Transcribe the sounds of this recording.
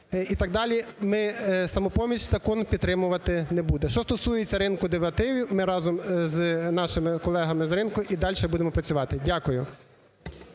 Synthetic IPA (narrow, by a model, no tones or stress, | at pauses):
it̪ɑɡ̚d̪ɑlʲimɪsɐmɔpɔmʲiʃʲzɐkɔnpʲid̪̚t̪ɾɪmʊʋɐt̪ɪnɛbud̪ɛʃt͡ʃɔst̪ɔsujet͡sʲːɐɾɪnkʊd̪eʋɐt̪ɪʋʲimɪɾɑzɔmznɑʃɪmɪkɔlˠɛɦɐmɪzɾɪnkʊʔid̪ɑlʲʃɛbud̪ʲemɔpɾɐt͡sʲʊʋɑt̪ɪdʲakʊjʊ